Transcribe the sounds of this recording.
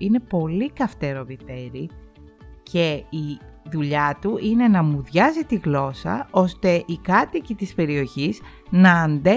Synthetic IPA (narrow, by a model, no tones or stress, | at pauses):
ine̞po̞likɐft̪e̞ɾo̞vit̪e̞ɾi | ce̞iðuʎɐt̪uʔine̞nɐmuðʝɐzit̪iɣlo̞sɐ̰o̞st̪e̞ʔikɐt̪icit̪ispe̞ɾio̞çiz | nɐːnd̪e